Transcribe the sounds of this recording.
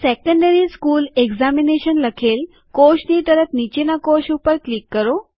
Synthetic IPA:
sɛkəɳɖəɾiːskuːleɡd͡zamineɕənləkʰel | koɕniːt̪əɾət̪nit͡ɕenakoɕupəɾklikːəɾo

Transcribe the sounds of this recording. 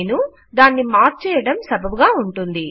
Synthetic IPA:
nu | d̪aːnːimaːɾt͡ʃɛːjɐɽɐmsɐbʱɐbuɡaːuɳʈund̪i

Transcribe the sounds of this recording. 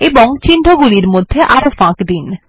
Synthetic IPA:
eboŋt͡ɕinɖʱoɡuliɾmod̪ʱːeʔaɾofãkd̪in

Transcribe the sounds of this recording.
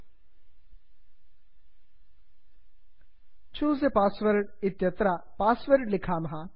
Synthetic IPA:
t͡ʃʰuːzepaːsʋɐɾʈɪt̪jɐt̪ɾapaːsʋɐɾɖlɪkʰaːmɐɦa

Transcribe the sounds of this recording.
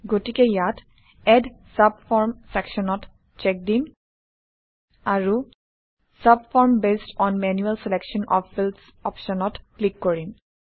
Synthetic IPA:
ɡotikɛjat | ɛdsab̚fɔɹmsɛkʃɔnɔt | t͡ʃɛk̚dim | aɹu | sabfɔɹmbestɔnmɛnjuɛlsɛlɛkʃɔnɔ̰pfils | ɔpʃɔnɔtklikːɔɹim

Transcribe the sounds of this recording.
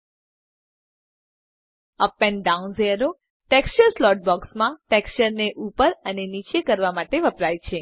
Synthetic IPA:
əpːɛ̃ɳɖaunzeɾo | ʈɛkst͡ʃəɾslɔʈ̚bɔksmãʈɛkst͡ʃəɾneʔupəɾənenit͡ʃekəɾʋamaʈeʋəpɾajt͡ʃʰe

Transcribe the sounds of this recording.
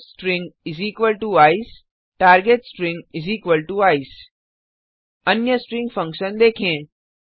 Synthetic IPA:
sʈɾɪ̃ŋɡɪziːkʋəlʈuaːis | ʈaːɾɡeʈsʈɾɪ̃ŋɡɪziːkʋəlʈuaːis | ɐnjəsʈɾɪ̃ŋɡfɐ̃ŋkʃə̃nd̪eːkʰẽː

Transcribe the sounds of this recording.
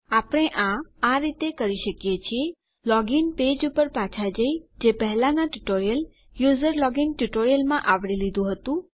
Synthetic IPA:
apəɽ̃eʔãaɾit̪ekəɾiʃəkjet͡ʃʰie | lɔɡinped͡ʒupəɾpat͡ʃʰad͡ʒəjd͡ʒepəɦɛlanaʈuʈoɾijəl | juzəɾlɔɡinʈuʈoɾijəlmãʔaʋɽilid̪ũɦət̪ũ

